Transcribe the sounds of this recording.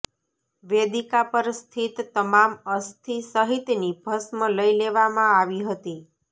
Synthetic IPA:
ʋed̪ikapəɾst̪ʰit̪ːəmaməst̪ʰisəɦit̪nibʱəsmələileʋamãaʋiɦət̪i

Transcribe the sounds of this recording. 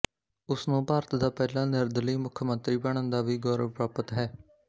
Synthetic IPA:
ʊsnũːpaːɾət̪d̪aːpɛːlãːnɪɾd̪liːmʊkʰmə̃nt̪ɾiːbəɳ̃ə̃nd̪aːʋiːɡɔːɾəʋpɾaːpət̪ɦɛː

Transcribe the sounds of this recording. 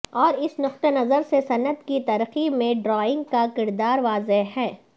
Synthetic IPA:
ɔːɾɪsnʊqt̪enɐzəɾsesɐnət̪kit̪ɐɾximẽɖɾɔːɪ̃ŋɡ̚kakɪɾd̪aːɾʋaːzeɦɛː

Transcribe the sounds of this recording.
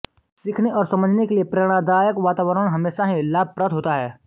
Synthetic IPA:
sɪkʰneʔɔːɾsɐ̃məd͡ʒʱnekeliepɾeɽ̃ad̪aːjəkʋaːt̪aːʋəɾəɽ̃ɦɐmeːʃaɦĩlaːb̚ʱpɾət̪ɦoːt̪aɦɛː

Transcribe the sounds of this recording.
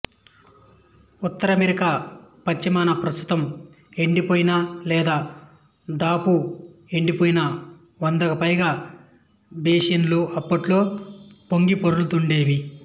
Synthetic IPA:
ut̪ːɐɾɐmeɾikaːpɐt͡ʃːimaːnɐpɾɐst̪ʰu̥t̪ɐm | e̞ɳɖipoːjinalɛːd̪aː | d̪aːpue̞ɳɖipoːjinɐ | ʋɐnd̪ɐkɐpɐjɡaː | beːʂɐnluɐpːɐʈlo̞ːpo̞ŋɡipoɾulut̪uɳɖe̞ːʋi

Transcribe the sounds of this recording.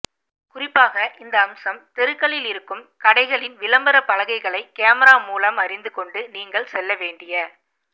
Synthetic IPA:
kʊrɪpːaːɣɐʔɪnd̪ɐːmsɐmt̪ɛɾɯkːɐɭɪlɪɾɯkːɯmkɐɽɐɪɣɐɭɪnʋɪlɐmbɐɾɐpːɐlɐɣɐɪɣɐɭɐɪkːeːmɐɾaːmuːlɐmɐɾɪnd̪ɯkɔɳɖɯniːŋɡɐɭsɛlːɐʋeːɳɖɪjɐ

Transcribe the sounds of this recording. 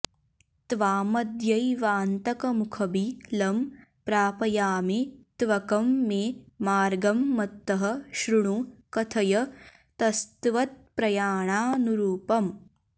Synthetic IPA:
t̪ʋaːmɐd̪jɐjʋaːnt̪ɐkɐmukʰɐbilɐm | pɾaːpɐjaːmet̪ʋɐkɐmːeːmaːɾɡɐmːɐt̪ːɐɦɐ̆ʃɾuɳukɐt̪ʰɐjɐ | t̪ɐst̪ʋɐt̪̚pɾɐjaːɳaːnuɾuːpɐm

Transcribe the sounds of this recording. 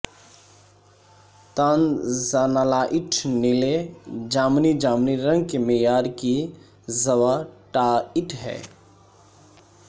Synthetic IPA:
t̪aːnzanalaːʔɪʈʰnɪled͡ʒaːmnid͡ʒaːmniɾə̃ŋɡkemejaːɾki | zəʋaːʈaːɪʈʰɦɛ̰ː

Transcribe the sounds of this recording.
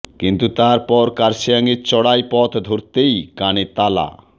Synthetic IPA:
kint̪ut̪aɾpɔɾkaɾʃiaŋeɾt͡ɕɔɽajpɔt̪ʰd̪ʱoɾt̪ejkanet̪ala̰

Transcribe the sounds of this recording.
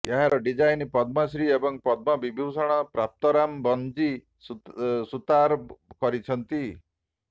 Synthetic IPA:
eɦaɾɔɖid͡ʒajnipɔd̪̚mɔsɾiebɔŋpɔd̪̚mɔbibʱiwsɔɽ̃ɔpɾap̚t̪ɔɾambɔnd͡ʒi | sut̪aɾkɔɾit͡ʃʰɔnt̪i

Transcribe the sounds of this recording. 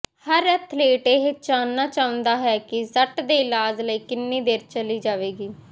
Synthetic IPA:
həɾət̪ʰleːʈeːɦɪt͡ʃaːnːaːt͡ʃaːʊ̃nd̪aːɦɛːkɪsəʈd̪eːɪlaːd͡ʒləiːkɪnːiːd̪eːɾt͡ʃəliːd͡ʒaːʋeːɡiː

